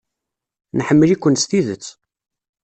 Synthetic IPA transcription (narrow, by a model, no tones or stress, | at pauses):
nħəmːəlikʷːənst̪iðət͡sː